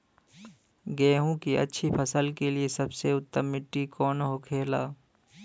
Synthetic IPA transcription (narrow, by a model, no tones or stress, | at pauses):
ɡeːɦũkiʔɐ̰tːʃʰipʰɐsəlkeliesɐbseʊt̪ːəmːɪʈːikɔːnɦokʰeːlaː